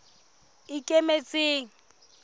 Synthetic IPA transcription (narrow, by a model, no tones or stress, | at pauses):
ɪkʼemet͡sʼeːŋ̩